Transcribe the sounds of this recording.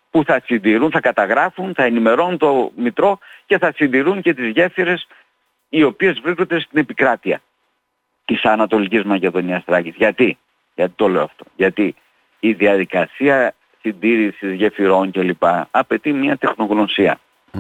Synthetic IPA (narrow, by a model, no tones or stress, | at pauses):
puθɐsind̪iɾunθɐkɐt̪ɐɣɾɐfunθɐenime̞ɾo̞nunt̪o̞mit̪ɾo̞ce̞θɐsind̪iɾuɲce̞t̪izʝe̞fiɾe̞s | io̞pie̞zvɾiskond̪e̞st̪ine̞pikɾɐt̪iɐ̰ | t̪isɐnɐt̪o̞licizmɐce̞ðo̞niɐst̪ɾɐcizʝɐt̪i | ʝɐt̪i̥t̪o̞le̞oɐft̪o̞ʝɐt̪iː | ðiɐðikɐsiɐ | sind̪iɾisizʝe̞fiɾo̞ɲce̞lipɐɐpe̞t̪imɲiɐt̪e̞xno̞ɣno̞siɐ̰